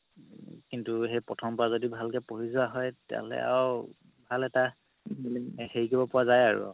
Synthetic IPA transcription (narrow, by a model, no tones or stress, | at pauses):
kintuɦejpɹɔtʰɔmpɔɹazodibʱalkɛpoɦizʊaɦɔjtɛ̰lɛ̰a̰w | bʱalɛta | xeɹɡibɔpʊazajaɹṵ